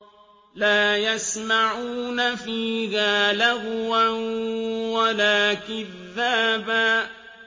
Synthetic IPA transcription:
laːjasmaʕuuːnafiːɣaːlaɣwanwalaːkɪðːaːbaː

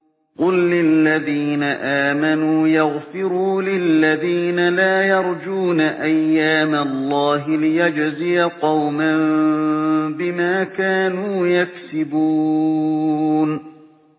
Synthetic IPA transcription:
qʊlːɪlːaðiːnaʔaːmanuːjɑɣfɪɾuːlɪlːaðiːnalaːjɑɾˤd͡ʒuːnaʔajːaːmalˤːɑːɦɪlɪjad͡ʒzɪjaqɑwmam | bɪmaːkaːnuːjaksɪbuː | n

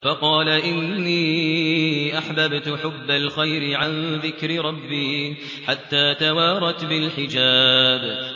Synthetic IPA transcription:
fɑqɑːlaʔɪnːiː | ʔaħbabt̪ħʊbːalxajɾɪʕanðɪkɾɪɾˤɑbːiː | ħat̪ːaːt̪awɑːɾˤɑt̪bɪlħɪd͡ʒaːb

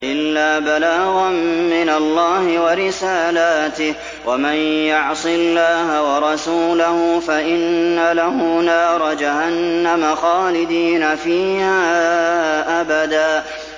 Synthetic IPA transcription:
ʔɪlːaːbalaːɣɑmːɪnalːɑːhɪwɑɾɪsaːlaːt̪ɪh | wamanjʊʕsˤɨlːaːhawɑɾˤɑsuːlahʊfaʔɪnːalahʊnaːɾˤɑd͡ʒahanːamaxɑːlɪd̪iːnafiːhaː | ʔabad̪aː

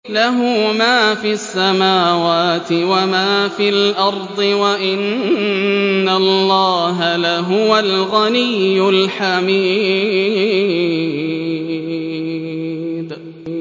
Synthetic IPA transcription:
laɦʊmaːfiːasːamaːwaːt̪ɪwamaːfiːlʔɑɾˤd̪ˤɨwaʔɪn | alːɑːɦalaɦʊwalɣanɪjːʊlħamiː | d̪

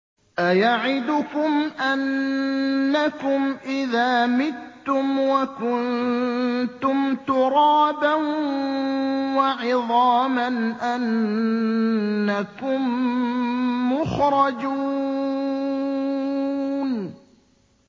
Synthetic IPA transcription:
ʔajaʕɪd̪ʊkʊmʔanː | akʊmʔɪðaːmɪtːʊmwakʊn | t̪ʊmt̪ʊɾˤɑːban | waʕɪðˤɑːmanʔan | akʊm | ʊxɾˤɑd͡ʒuː | n

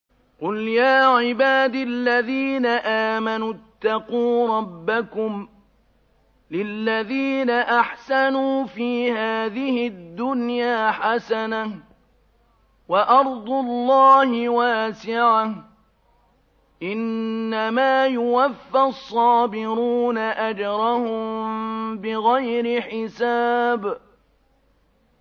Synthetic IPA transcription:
qʊljaːʕɪbaːd̪ilːaðiːnaʔaːmanut̪ːɑquːɾˤɑbːakʊm | lɪlːaðiːnaʔaħsanuːfiːhaːðɪhɪd̪ːʊnjaːħasana | waʔɑɾˤd̪ˤʊlːɑːhɪwaːsɪʕah | ʔɪnːamaːjʊwafːasˤːɑːbɪɾuːnaʔad͡ʒɾˤɑhʊmmbɪɣajɾɪħɪsaːb

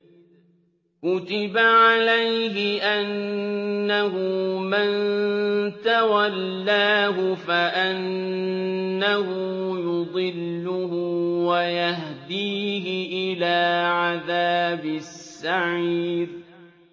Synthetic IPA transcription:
kʊt̪ɪbaʕalajɦɪʔanː | aɦʊman | t̪awalːaːɦʊfaʔɪnː | ahʊjʊd̪ˤɨlːʊhʊwajahd̪iːɦɪʔɪlaːʕaðaːbɪsːaʕiːd

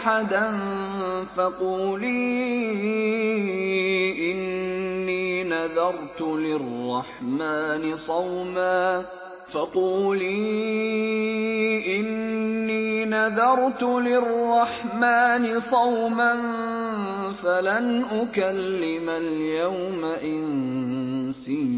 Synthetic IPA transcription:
ħad̪an | fɑquːliː | ʔɪnːiːnaðɑɾˤt̪ʊlɪrˤːɑħmaːnɪsˤɑwmaː | fɑquːliː | ʔɪnːiːnaðɑɾˤt̪ʊlɪrˤːɑħmaːnɪsˤɑwman | falanʔʊkalːɪmaljawmaʔɪn | siː

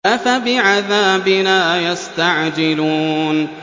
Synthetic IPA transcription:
ʔafabɪʕaðaːbɪnaːjast̪aʕd͡ʒɪluːn

